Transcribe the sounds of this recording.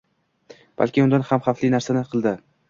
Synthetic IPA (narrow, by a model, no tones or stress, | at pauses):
b̥a̰lkʲɪʊnd̪anhamχaflinaɾsanɪqʰɨlˠd̪ɪ